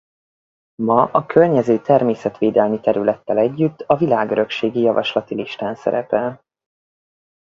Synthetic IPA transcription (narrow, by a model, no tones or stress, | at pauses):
mɒʔɒkʰørɲɛzøːt̪ɛrmeːsɛt̪ʋeːd̪ɛlmit̪ɛɾylɛt̪ːɛlɛɟːyt̪ːɒvilaːɡøɾø̞kʃeːɡijɒvɒʃlɒt̪iliʃt̪aːnsɛ̰ɾɛpɛl